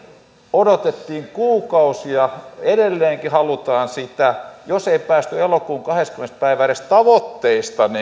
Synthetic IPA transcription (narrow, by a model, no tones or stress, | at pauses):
odot̪et̪ːiːŋkuːkɑusiɑedelːeːŋkihɑlut̪ɑːnsit̪æjoseipæːst̪yelokuːŋkɑheskymenspæiʋærest̪ɑʋot̪ːeist̪ɑni